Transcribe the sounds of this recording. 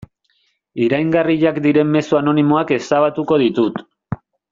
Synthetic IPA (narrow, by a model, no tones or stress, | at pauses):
iɾajŋɡariʎakd̪iɾe̞mːe̞suano̞nimo̞ake̞st̪aβ̞at̪uko̞ðit̪ut̪